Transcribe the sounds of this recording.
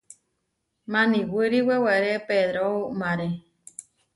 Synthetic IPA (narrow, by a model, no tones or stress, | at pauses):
mãnĩwɨɾiweweɾepeðɾomaɾe